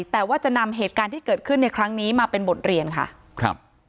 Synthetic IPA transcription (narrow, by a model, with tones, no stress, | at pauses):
t̪ɛː˨˩waː˥˩t͡ɕa˨˩na˧mɦeː˨˩t̪̚kaː˧nt̪ʰiː˥˩kɤː˨˩t̪̚kʰɯ˥˩nːa˧jkʰɾa˦˥ŋniː˦˥maː˧pe˧nbo˨˩t̪̚ɾi˧ənkʰa̰˥˩ | kʰɾa̰˦˧p̚